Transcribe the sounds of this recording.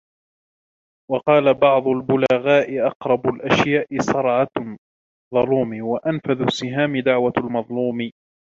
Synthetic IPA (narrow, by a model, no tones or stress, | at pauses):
wɑqɑːlabɑʕd̪ˤʊlbʊlaɣaːʔɪʔɑqɾˤɑbʊlʔaʃjaːʔɪsˤɑɾˤʕɑ | ðˤɑluːmiwaʔanfaðʊsːɪɦaːmɪd̪aʕwalmɑðˤluːmɪ